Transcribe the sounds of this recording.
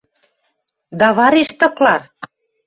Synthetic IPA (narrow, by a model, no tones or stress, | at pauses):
d̪ɑβɑɾeʃt̪ɤ̆klɑr